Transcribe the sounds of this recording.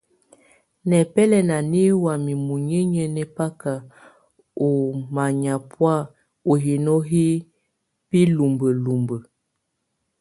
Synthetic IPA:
nɛ˨pɛ˦lɛ˨na˨ni˦wa˨mi˨mu˨ɲə˦ɲə˨nɛ˨pa˦ka˨ | o˨ma˨ɲa˨pwa˦˨ | o˨ɦi˨no˦ɦi˦ | pi˦lu˨mbə˨lu˨mbə˨

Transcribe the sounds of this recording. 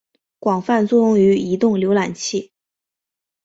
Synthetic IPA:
kwɑ˨˩ŋfa˥˧nt͡swɔ˥˧jʊ˥˩ŋy˧˥i˧˥t̪ʊ˥˩ŋljo˧˥ʊla˨˩nt͡ɕʰi˥˩

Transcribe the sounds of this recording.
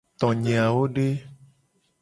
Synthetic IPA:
t̪ɔ̃˨ɲẽ˨a˨wo˦ɖe˦

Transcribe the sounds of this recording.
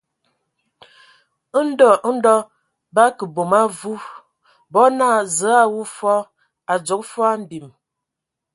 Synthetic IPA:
ə˦n̩˦dɔ˦˨ʔn̩˦dɔ˦ | ba˦kə˨bo˨ma˦vu˦ | bɔ˨˦na˦˨zə˨˦a˦wu˦fɔ˦ | a˨d͡ʒo˨˦k̚fɔ˦a˦m̩˨bi˨m

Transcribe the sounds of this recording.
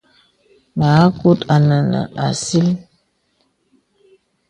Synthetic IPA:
ma˨˦ku˦ta˨na˨na̰˨ʔa˨si˦l

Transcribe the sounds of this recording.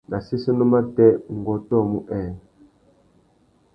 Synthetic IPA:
na˨si˦si˦nu˦ma˦tɛ˦u˨ŋ˨ɡɔ˨tɔ˦˨mu˦ʔɛ˨n˨

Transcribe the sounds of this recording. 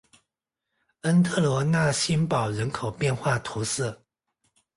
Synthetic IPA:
ə˥nt̪ʰɤ˥˩lwɔ˧˥na˥˩ɕi˥npɑ˨˩ʊɻə˧˥nkʰo˨˩ʊpjɛ˥˧nxwa˥˩t̪ʰu˧˥sɤ˥˩

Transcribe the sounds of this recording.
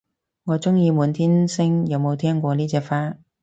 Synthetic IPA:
ŋɔː˨˧t͡sʊ˥ŋjiː˧muː˨˧nt̪ʰiː˥nsɪ˥ŋjɐ˨˧wmo˨˧wt̪ʰɛː˥ŋkʷɔː˧niː˥t͡sɛː˧kfaː˥

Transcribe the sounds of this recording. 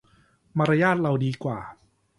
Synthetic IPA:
maː˧ɾa˧jaː˥˩t̪̚ɾa˧wdiː˧kwa̰ː˨˩

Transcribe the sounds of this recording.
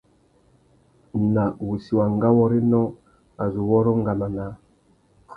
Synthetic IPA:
na˨wu˨si˨wa˨ŋ˦ɡa˦wɔ˦ɾe˦nɔ˦ | a˨zu˨wɔ˦ɾɔ˦ŋ̩˦ɡa˨ma˨na˨˦

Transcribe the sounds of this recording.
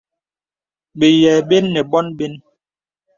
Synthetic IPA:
be˨jɛː˨ɓe˦nːɛ˨bɔ˦nbe˦n

